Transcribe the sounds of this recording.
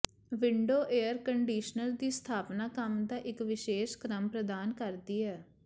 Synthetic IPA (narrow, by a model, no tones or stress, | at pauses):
ʋɪɳɖoːʔeːəɾkəɳɖiːʃnəɾd̪iːst̪ʰaːpnaːkəmd̪aːʔɪkʋɪʃeːʃkɾəmpɾəd̪aːnkəɾd̪iːɛː